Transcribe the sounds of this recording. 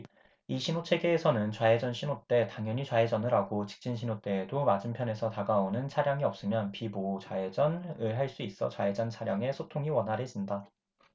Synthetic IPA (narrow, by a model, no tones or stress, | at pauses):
iɕʰinot͡ɕʰe̞ɡe̞ːsʰʌnɯnt͡ɕwae̞d͡ʑʌnɕʰinot͈e̞taŋjʌɲit͡ɕwae̞d͡ʑʌnɯɾaɡot͡ɕi̥k̚t͡ɕ͈inɕʰinot͈e̞ːdomad͡ʑɯmpʰjʌne̞sʰʌtaɡaonɯnt͡ɕʰaɾjaŋiʌp̚s͈ɯmjʌnpibot͡ɕwae̞d͡ʑʌnɯɭɦaɭs͈uis͈ʌt͡ɕwae̞d͡ʑʌnt͡ɕʰaɾjaŋe̞sʰotʰoŋiwʌnɦaɾe̞d͡ʑinda